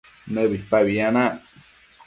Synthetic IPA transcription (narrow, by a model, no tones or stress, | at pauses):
nəbipaβianã